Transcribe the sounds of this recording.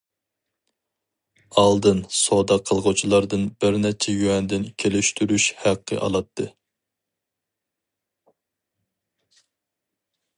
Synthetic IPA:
ɑlˠd̪ɨnsod̪ɑqʰːəlˠʁʊt͡ʃʰilˠɑɾd̪ɨnbɪɾnɛt͡ʃʰɛjyɛnd̪ɪnkʲʰelɪʃt̪yɾyʃhæqʰːə̰ʔɑ̰lˠɑt̪ʰːɨ

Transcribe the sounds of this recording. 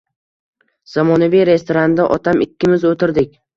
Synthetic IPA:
z̥amɒnavijɾe̞st̪ʰoɾand̪aʔɒt̪ʰamɪkʲːɪmɪzot̪ʰɪɾd̪ɪk̚ʲ

